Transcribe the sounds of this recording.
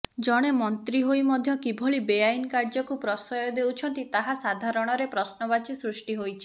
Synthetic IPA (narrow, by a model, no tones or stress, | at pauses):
d͡ʒɔɽ̃emɔnt̪ɾiɦojmɔd̪ʱjɔkibʱɔɭibejajnkaɾd͡ʒɔkupɾɔsɔjɔd̪ewt͡ʃʰɔnt̪it̪aɦasad̪ʱaɾɔɽ̃ɔɾepɾɔsnɔβat͡ʃisɾusʈiɦojt͡ʃʰi̥